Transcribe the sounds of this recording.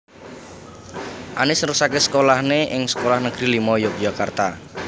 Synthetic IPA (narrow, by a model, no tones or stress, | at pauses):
ʔanɪsɾusakesə̥kolahneʔɪŋsə̥kolahnəɡ̥ɾilimɔjokd͡ʒakart̪a